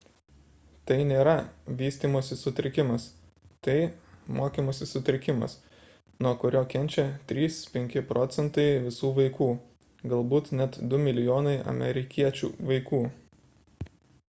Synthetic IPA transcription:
t̪ɐɪnʲeːɾɐʋʲiːsʲt̪ʲiːmoːsʲɪsʊt̪ʲɾʲɪkʲɪmɐs | t̪ɐɪmoːkʲiːmoːsʲɪsʊt̪ʲɾʲɪkʲɪmɐ̰s | nuɔkʊɾʲoːkʲɛnʲt͡ʃʲɛt̪ʲɾʲiːspʲɛŋʲkʲɪpɾɔːt̪sʲɛnt̪ɐɪʋʲɪsuːʋɐɪkuː | ɡɐlˠbuːt̪nʲɛt̪d̪ʊmʲɪlʲɪjoːnɐɪʔɐ̰mʲɛ̰ɾʲɪkʲiɛt͡ʃʲṵːʋɐɪkuː

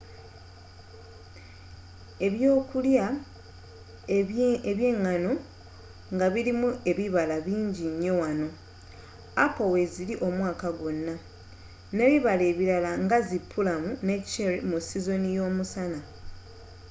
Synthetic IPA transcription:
e̞βjoːkulja | eβje̞ːŋːano | ŋɡaβiɾimue̞βiβalaβiːɲɟiɲːo̞wano̞ | apoweziliʔo̞mwaːkaɡwo̞nːa | ne̞ːβiβale̞ːβiɾalaŋɡazipʰːulamunect͡ʃeɾimusizo̞nijo̞ːmusana

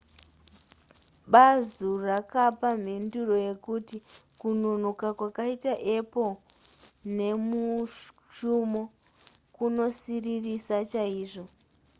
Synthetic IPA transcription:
ɓazurakapam̤enduro̞je̞kutikunun̤ukakwakaitaʔe̞po | ne̞mu | ʃumo | kuno̞siririsat͡ʃaiːʐo̞

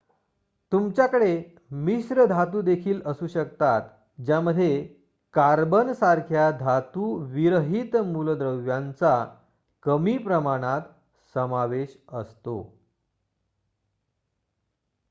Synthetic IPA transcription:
t̪umt͡ɕjakəɽe | misɾəd̪ʱat̪uːd̪ekʰiːləsuːɕəkt̪at̪ | d͡ʑjaməd̪ʱːje | kaɾbənsaɾkʰjad̪ʱat̪uʋiɾəɦit̪muld̪ɾəwjãnt͡sa | kəmiːpɾəmaɽ̃at̪ | səmaʋeɕəst̪o̰

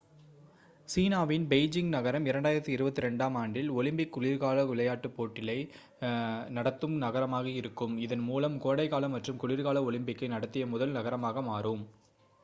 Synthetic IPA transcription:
siːnaːʋɪnbeɪd͡ʒɪŋɡnɐɣɐɾɐmɪɾɐɳɖaːjɪɾɐt̪ːɯɪɾɯbɐt̪ːɯɾɛɳɖaːmaːɳɖɪlɔɭɪmbɪkːʊɭɪɾɣaːlɐʊlɐjaːʈːɯpːoːʈːɪlɐɪ | nɐɽɐt̪ːɯmnɐɣɐɾɐmaːɣɐɪɾɯkːɯmɪðɐnmuːlɐmkoːɽɐɪkaːlɐmːɐʈrɯmkʊɭɪɾɣaːlɐɔɭɪmbɪkːɐɪnɐɽɐt̪ːɪjɐmʊðɐlnɐɣɐɾɐmaːɣɐmaːɾɯm

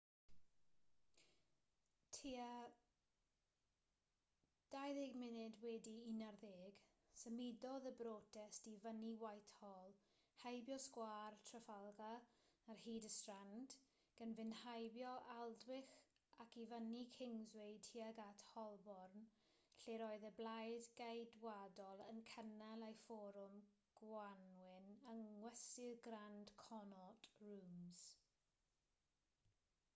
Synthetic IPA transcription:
tʰia | d̥ajðɪɡmɪnɪdwɛdiinarðeːɡ̥ | səmidɔðəbroːtʰɛstivəniwajθhɔlˠ | hajbjɔskwaːrtʰrəfalˠɡaːrhiːdəstrand | ɡ̥ənvɪnhajbjɔʔalˠdwɪx | akivənikʰɪŋzwejdhiaɡatʰhɔlˠbɔrn | ɬeɾɔɨðɛblajdɡajdwadɔlˠənkʰənalajfɔɾʊm | ɡ̥wanwɪnəŋwɛsɪɡrand̥kʰɔnɔtruːmz̥

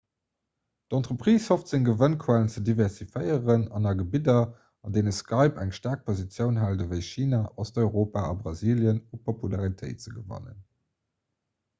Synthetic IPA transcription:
dɑntʁəpʁ̥iːshoftz̥əŋɡəvənkʰwælənt͡sədivɛʁsifəɪəʁənɑnɑɡəbidɐ | ɑndeɪnəskɑɪpæŋʃtaːɐk̚pʰozit͡sjəʊnɦældəvəɪʃiːnaːʔɔstoɪʁoːpaːɑ̰bʁɑziːljənupʰopulaʁitʰəɪtt͡səɡəvɑ̰nə̰n

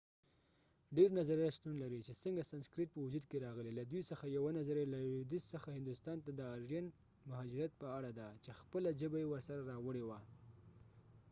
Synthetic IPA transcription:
ɖeɾnazaɾjast̪unlaɾit͡ʃesəŋɡasanskɾiʈ̚pəwʊd͡ʒud̪keɾɑɣəlelad̪wijsəxajawanazaɾelad̪ɪsːəxahɪnd̪ʊst̪ɑnt̪ad̪əɑɾʒan | mʊɦɑd͡ʒɪɾjat̪̚pəaɽad̪at͡ʃexpəlad͡ʒəbajewəɾsaɾaɾɑwəɽewa

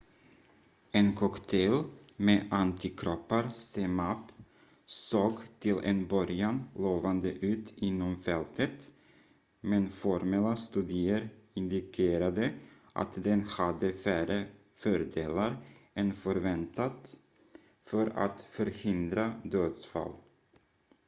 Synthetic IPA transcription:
ɛnkʰɔkt̪ʰɛl | meːʔant̪ʰɪkʰɾɔpːaɾsɛmap | soːɡt̪ʰɪlɛ̰nbœɾjanloːvand̪əʔʉ̟ːt̪ɪnːɔmfɛlt̪ʰət̪ | mɛnfɔɾmɛlːast̪ʉːd̪ɪəɾɪnd̪ɪkʰeːɾad̪ə | ʔa̰t̪d̪ɛnhad̪ːəfæːɾə | fœɾd̪eːlaɾɛnfœɾvɛnt̪at̪ | fœɾa̰t̪fœɾhɪnd̪ɾad̪øːd̪sfa̰lː

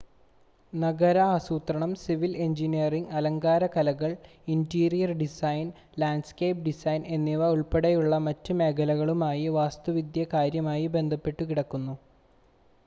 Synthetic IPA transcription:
nɐɡɐɾɐasuːt̪ɾɐɳɐmsiʋile̞ɲd͡ʑinijɐriŋɡɐlɐŋɡaːɾɐkɐlɐɣɐɭ | intiːrijɐrɖisɐjn | laːɳɖskejp̚ɖisɐjne̞nːiʋɐuɭpeɽejuɭːɐmɐtːume̞ːkʰɐlɐɣɐɭumaːjiʋaːst̪uʋid̪jɐkaːɾjɐmaːjibe̞nd̪ʱɐpːe̞ʈːukiɽɐkːunːu

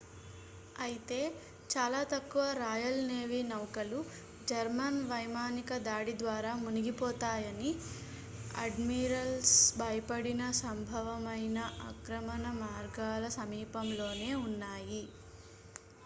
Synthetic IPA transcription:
ɐjit̪e̞ː | t͡ʃaːlaːt̪ɐkːuʋɐɾaːjɐlne̞ːʋiːnɐwkɐlu | d͡ʒɐɾmɐnʋɐjmaːnikɐd̪aːɽid̪ʋaːɾaːmuniɡipɔːt̪aːjɐni | ɐ̰ɖmiːɾɐlsbʱɐjɐpɐɽinɐsɐmbʱɐʋɐmɐjnɐʔɐkɾɐmɐnɐmaːɾɡaːlɐsɐmiːpɐmlo̞ːne̞ːunːaːji

